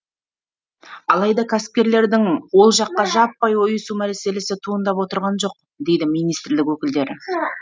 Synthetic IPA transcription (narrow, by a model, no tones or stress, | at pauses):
ɑlˠɑjd̪ɑkʲʰæsɪ̥p̚kʲe̞ɾle̞ɾd̪ɪŋwo̞lˠʒɑqːɑʒɑpːɑjwo̞jəsumæɾse̞le̞sɪt̪ʰuənd̪ɑpwo̞t̪əɾʁɑnʒo̞q̚ | d̪e̞jd̪ɪmijnijst̪ɾlɪkwɵkʲɪld̪e̞ɾɪ